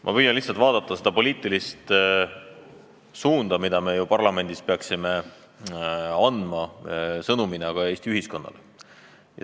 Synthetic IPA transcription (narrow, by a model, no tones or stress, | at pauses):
mʔɑ̰pyjːɑnlihtsɑlt̪vɑːd̪ɑt̪ːˑɑse̞d̪̥ɑpo̞lʲiːt̪ːˑilist̪ | suːnd̪ɑmid̪ɑme̞jupɑrlɑme̞nd̪ispeɑksime̞ | ɑnd̪̥mɑsɤnuminɑɡ̥ɑe̞ːsʲt̪iyɦisko̞nːɑ̰le | jɑ̰